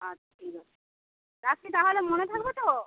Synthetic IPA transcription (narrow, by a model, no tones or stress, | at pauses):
at͡ɕʰḁʈʰikaa | t̪akit̪aɦolemonet̪ʰakbet̪o